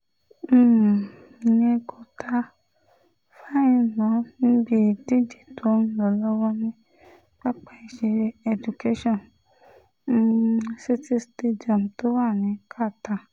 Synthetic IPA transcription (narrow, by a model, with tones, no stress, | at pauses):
i˨nẽ˧kʰo˧tʰa˧ | fa˦ĩ˦˨mã˨˦nĩ˦bi˦˨di˦d͡ʒi˦˨to˨˦ñ̩˦lɔ˧˨lɔ˦wɔ˦nĩ˦ | k͡pa˦k͡pa˦i˨ʃe˧ɾe˧ɛ˧d͡ʒu˨ke˦ʃɔ̃˦˨n̩˧˨ | si˦ti˦ste˧di˨a˨m˨to˦wa˦˨nĩ˨˦kʰa˦˨ta˧˨